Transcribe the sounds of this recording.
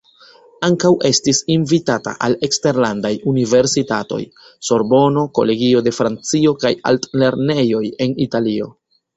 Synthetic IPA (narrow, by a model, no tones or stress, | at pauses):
aŋkawʔe̞stisinvitata̰ʔale̞kste̞ɾlandajunive̞ɾsitato̞̰j | so̞ɾbo̞no̞ko̞̰le̞ɡio̞de̞fɾant͡sio̞kaja̰ltle̞ɾne̞jo̞je̞nitalio̞̰